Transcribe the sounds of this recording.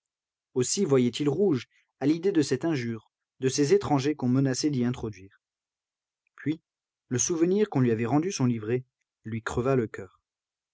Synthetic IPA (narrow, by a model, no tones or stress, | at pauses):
osivwajɛt̪ilʁuʒ | alid̪ed̪əsɛt̪ɛ̃ʒyːʁ | d̪əsezet̪χɑ̃ʒekɔ̃mənasɛd̪iɛ̃t̪χɔd̪ɥiːʁ | pɥi | ləsuvəniʁkɔ̃lɥiavɛʁɑ̃d̪ysɔ̃livʁe | lɥikχəvaləkʲœːʁ